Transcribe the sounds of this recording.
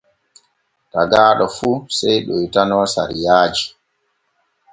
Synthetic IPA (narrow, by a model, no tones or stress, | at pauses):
taɡaːɗɔfusɛjɗɔjtanɔːsa̰ɾijaːd͡ʒi